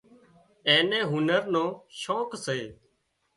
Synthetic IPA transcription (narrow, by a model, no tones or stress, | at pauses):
eːnẽːɦʊnəɾnõːʃoːkseː